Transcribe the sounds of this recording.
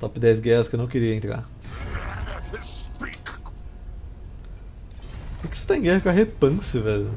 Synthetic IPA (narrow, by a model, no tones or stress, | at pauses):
t̪ɔpɪd̪ɛjs̬ɡɛhɐskewnɐ̃w̃kɪɾiɐẽnt̪ɾa̰ɾ | spik | kɛkɪse̥t̪ẽj̃ɡɛhɐkɐɦepɐ̃sɪvɛʎʊ